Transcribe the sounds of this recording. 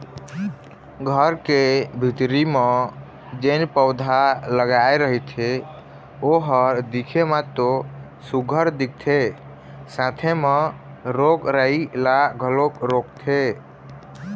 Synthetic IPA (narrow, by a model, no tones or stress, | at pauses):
ɡʱəɾkebʱit̪ɾime | d͡ʒenpəʊd̪ʱaləɡaeɾəɦit̪ʰe | oɦəɾd̪ikʰemat̪o | suɡʱəɾd̪ik̚t̪ʰe | sãt̪ʰeme | ɾokɾailaɡʱəlokɾok̚t̪ʰe